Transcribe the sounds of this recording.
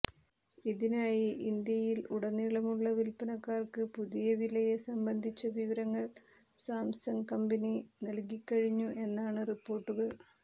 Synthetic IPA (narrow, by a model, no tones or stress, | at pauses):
iðinaːjiʔind̪jɐjiluɽɐnːiɭɐmuɭːɐʋilpɐnɐkːaːrkɨpuðijɐʋilɐjesɐmbɐnd̪ʱit͡ɕːɐʋiʋɐɾɐŋːɐɭ | saːmsɐŋkɐmbɐninɐlkikːɐɻiɲːuʔe̞nːaːɳɨripːo̞ːrʈːuɣɐɭ